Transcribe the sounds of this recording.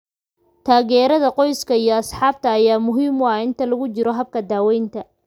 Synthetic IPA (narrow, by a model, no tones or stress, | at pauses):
t̪ʰaːɣɛːɾɐðɐqɔjskʰɐijɔɐsħɑːb̚t̪ʰɐːjaːmʊɦiːmaɪnt̪ʰɐlɐɣʊt͡ʃɪɾɔɦɐb̚kʰɐd̪aːwɛjnt̪ʰɐ